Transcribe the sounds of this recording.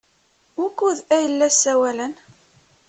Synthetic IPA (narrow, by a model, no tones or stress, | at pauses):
ukːuðæjəlːæsːæwælən